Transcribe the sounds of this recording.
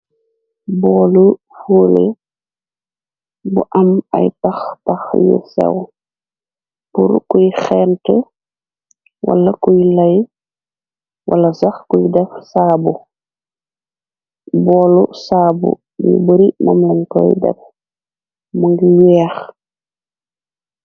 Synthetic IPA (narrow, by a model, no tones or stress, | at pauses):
bɔlu | fuːlḛ | buʔɐmɐ̰jtaxtaxjṵsɛ̰w | puɾkujxɛːntɛ | wa̰lːɐkujlɐj | wʔalːɐsaxkujdɛfsaːbu | bɔːlusaːbṵ | jṵbəɾimamlɛnkɔ̰jdɛ̰f | muŋɡiwɛːx